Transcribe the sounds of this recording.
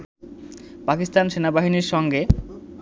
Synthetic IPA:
pakist̪anʃenabaɦiniɾʃɔŋɡe

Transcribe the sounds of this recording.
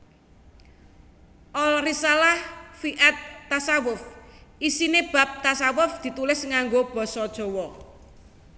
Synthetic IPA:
ʔɔlrisalahfiʔat̪ːasawʊfʔisineb̥a̤p̚t̪asawʊfd̪̥i̤t̪ulɪsŋaŋɡob̥ɔsɔd̥ʒ̥ɔ̤wɔ

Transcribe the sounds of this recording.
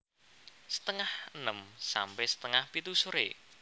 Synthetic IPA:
sə̥t̪əŋahənəmsa̰mpɛhsə̥t̪əŋahpit̪usuɾe

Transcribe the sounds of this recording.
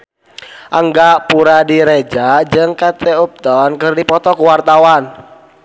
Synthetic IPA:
ʔaŋɡaʔpuɾadiɾed͡ʒad͡ʒɨŋkat̪eup̚t̪ɔnkərdipɔt̪ɔkuwart̪awan

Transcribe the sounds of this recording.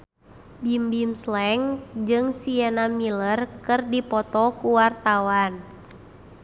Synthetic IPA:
bimbimslɛŋd͡ʒɨŋsiɛnamilərkɨrdipɔt̪ɔkuwart̪awan

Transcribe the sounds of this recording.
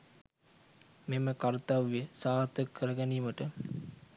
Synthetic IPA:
meməkaɾt̪aʋijəsaːɦt̪əkʰːəɾəɡæniːməʈə

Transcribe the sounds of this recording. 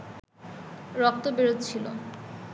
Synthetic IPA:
ɾɔk̚t̪obeɾot̪t͡ɕʰilo̰

